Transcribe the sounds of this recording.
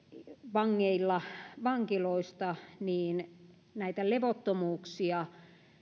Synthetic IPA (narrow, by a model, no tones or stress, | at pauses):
ʋɑŋːeilːɑʋɑŋkiloist̪ɑniːn | næit̪æleʋot̪ːomuːksiɑ